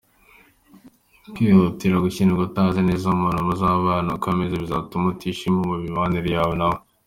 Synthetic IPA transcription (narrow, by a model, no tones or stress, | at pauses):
kihutiɾaɡuciniɡotazeneːzamonomozaβaːnakamezeβiza̰tumutiʃimhomuβiβaniɾjaːβonaβo